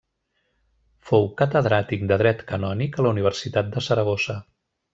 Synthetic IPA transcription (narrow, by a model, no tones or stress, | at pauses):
fowkət̪əðɾat̪ik̚d̪əðɾɛt̪kənɔnikələuniβ̞əɾsit̪at̪̚d̪əsəɾəɣ̞osə